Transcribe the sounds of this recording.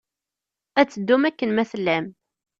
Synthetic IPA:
æt͡sːəd̪ːumækːənmæθlːæm

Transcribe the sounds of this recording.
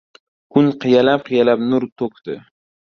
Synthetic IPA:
kʰʊnqʰɨjalap̚qʰɨjalap̚nʊɾt̪ʰok̚ʲt̪ɪ̰

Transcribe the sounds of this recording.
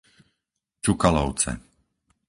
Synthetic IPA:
t͡ʃukalɔʊt͡sɛ̰

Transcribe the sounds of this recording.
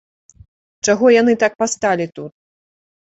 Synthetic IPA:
t͡ʂaɣɔjanɨt̪ak̚past̪alʲit̪ut̪̚

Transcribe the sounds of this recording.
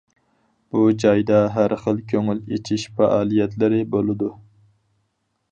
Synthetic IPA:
b̥ud͡ʒɑjd̪ɑɦæɾχəlˠkʲʰøŋylet͡ʃʰiʃfæ̰ʔɑːlˠijɛt̪lɪɾɪbolˠɨd̪u

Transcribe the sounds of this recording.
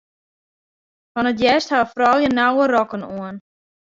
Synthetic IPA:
fɔnətjɛsthaəfrɔlˠjənawərɔkənuən

